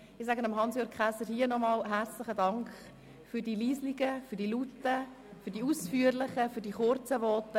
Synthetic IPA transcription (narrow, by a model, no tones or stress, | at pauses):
ɪs̬æɡənɑmɦɑnsjøːkχæsəɾhiːənɔmɑːlɦæɾt͡slɪχədɑŋkχ | fyɾdiːliːsliɡəfyːd̥ilutːə | fyːdiusfyːəɾlɪχəfydiχʊɾt͡səʋɔːtə